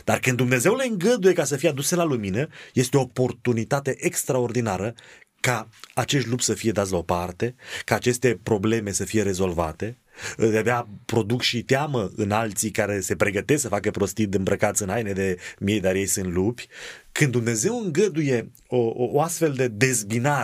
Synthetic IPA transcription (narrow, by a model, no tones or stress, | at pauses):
d̪̥arkɨnd̪umne̞ze̞wle̞ɨŋɡəd̪uje̞kasəfijead̪uselaluminəje̞st̪eo̞ːpo̞rt̪unit̪at̪e̞ʔekst̪ɾao̞rd̪inaɾə | kaːt͡ʃe̞ʃ̬t̪lupsəfije̞d̪at̪s̬ʲlao̞part̪e̞kaːt͡ʃe̞st̪e̞pɾo̞ble̞me̞səfije̞ɾe̞zo̞lva̰t̪e̞ | d̪eabeapɾo̞d̪ukʃit̪eaməɨnalt̪sikaɾe̞se̞pɾeɡət̪esksəfakəpɾo̞st̪id̪ɨmbɾəkat̪sɨnajned̪e̞mije̞jd̪aɾje̞jsɨnt̪lupʲkɨnd̪umne̞ze̞wɨŋɡəd̪uje̞ | oːast̪fe̞ld̪e̞d̪e̞zbina